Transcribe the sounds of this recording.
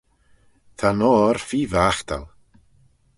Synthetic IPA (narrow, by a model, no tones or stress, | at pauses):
θʰanɔːɾfiːvaːxt̪ʰa̰lˠ